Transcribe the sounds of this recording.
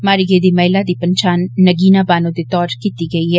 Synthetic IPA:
maːɾiɡeːd̪imɐɦɪlad̪ipɐ̃ɲt͡ʃaːnːɐɡiːnabaːnõd̪et̪ɔːɾkiːt̪iɡɐiɦɛː

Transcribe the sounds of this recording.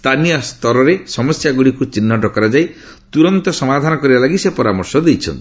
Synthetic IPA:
st̪ʰanijɔst̪ʰɔɾɔɾesɔmɔsjaɡuɽikut͡ʃinːɔʈɔkɔɾad͡ʒaj | t̪uɾɔnt̪ɔsɔmad̪ʱanɔkɔɾibalaɡisepɔɾamɔɾsɔd̪ejt͡ʃʰɔ̰nt̪

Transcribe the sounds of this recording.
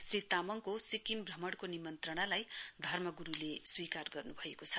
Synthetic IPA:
srit̪amʌŋkosikimbrʱʌmʌɽkonimʌnt̪rʌɽ̃alajd̪ʱʌrmʌɡuɾuleswikarɡʌrnubʱʌekot͡sʰʌ̥

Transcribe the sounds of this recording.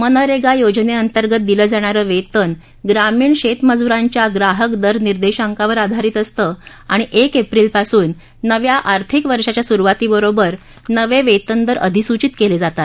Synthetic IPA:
mənəɾeɡajod͡ʑneənt̪əɾɡət̪̚d̪iləːd͡zaɽ̃aɾəːʋet̪ən | ɡɾamiːɳɕet̪məd͡zuɾãɲt͡ɕjaɡɾaɦəkd̪əɾniɾd̪eɕaŋkaʋəɾad̪ʱaɾiːt̪əst̪əː | aɽ̃iʔekepɾiːlpasuːnː | əʋjaʔaɾt̪ʰikʋəɾʂat͡ɕjasuɾuʋat̪iːbəɾobəɾ | nəʋeʋet̪ənd̪əɾə̰d̪ʱisut͡ɕit̪keled͡zat̪at̪

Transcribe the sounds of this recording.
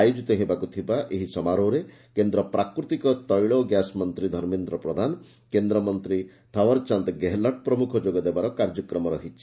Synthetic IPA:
ajud͡ʒit̪ɔɦebakut̪ʰibaʔeɦisɔmaɾoɾe | kend̪ɾɔpɾakɾut̪ikɔt̪ɔjɭɔɡjasmɔnt̪ɾid̪ʱɔɾmind̪ɾɔpɾɔd̪ʱanɔ | kend̪ɾɔmɔnt̪ɾi | t̪ʰɔwɔɾt͡ʃant̪ɡeɦlɔʈ̚pɾɔmukʰɔd͡ʒoɡɔd̪ebaɾɔkaɾd͡ʒɔkɾɔmɔɾɔɦit͡ʃʰi

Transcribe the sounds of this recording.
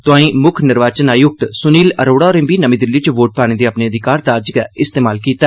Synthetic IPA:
t̪ʊãːĩːmʊkʰnɪɾʋaːt͡ʃənaːjʊk̚t̪sʊniːləɾoːɽaːɔːɾẽmbiːnəmĩːd̪ɪlːiːt͡ʃʋoːʈ̚paːɽ̃eːd̪eːəpneːəd̪ɪkaːɾt̪aəd͡ʒkɛːɪst̪eːmaːlkiːt̪aː

